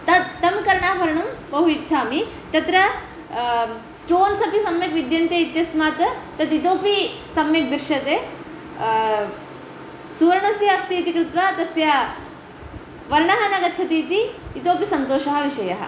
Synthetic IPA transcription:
t̪ɐːɐmkɐɾɐɳaːɦbʱɐɾɐɳɐmbɐɦuitːt͡ʃʰaːmi | t̪ɐt̪ɾɐ | sʈoːnsɐpisɐmjɐkʋid̪jɐnt̪jɐit̪jɐsmaːt̪t̪ɐt̪it̪oːpi | sɐmjɐk̚d̪ɾʃɐt̪e | suːɾɳɐsjɐɐst̪iːt̪ikɾut̪ʋat̪ɐsjɐ | ʋɐɾɳɐɦɐnɐɡɐt̪ːt͡ʃʰɐt̪iːt̪iːt̪oːpisɐnt̪oːʃɐɦɐʋiʃɐjɐɦɐ̰

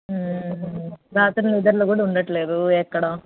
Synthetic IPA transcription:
ɾaːt̪ɐnɐlid̪ɐɾlɐkuːɽɐuɳɖɐʈːleːd̪uɛkːɐɽɐ

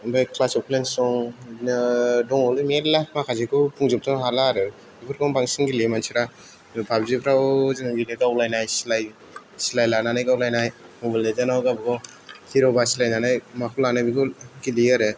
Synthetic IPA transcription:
bajkʰlasɔpʰlensɔŋ | dɔŋɔlɯmiaɾlap̚ʰmakʰazekʰɯpʰuŋzɯp̚tɔnɦalaɾɯ | ibʰɯɾkɔŋbaŋsiŋɡilimansʰiɾa | babzipʰɾawzinileɡawlajnajsilaj | silajlananajkawlajnajmɔbalezanawɡabɯɡɔ | tʰiɾawbasilajnanajmakʰulanajbikʰɔkiliaɾe

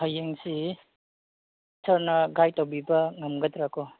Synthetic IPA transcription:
hajeŋsi | sɐɾnɐɡajtawbibɐŋɐmɡɐtɾakʰɔ

